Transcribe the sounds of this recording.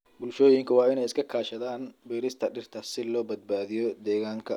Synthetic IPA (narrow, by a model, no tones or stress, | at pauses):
bʊlʃɔːjɪŋkʰɐwɑːɪnɛjɪskʰɐkʰaːʃɐðaːnbiːɾɪst̪ʰɐɖɪrt̪ʰɐsɪlɔːbɐd̪̚baːðɪjɔd̪ɛːɣaːŋkʰɐ